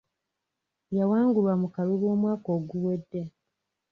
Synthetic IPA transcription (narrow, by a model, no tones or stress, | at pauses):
jawaːŋɡulwamukaluβo̞ːmwaːko̞ːɡuwedːe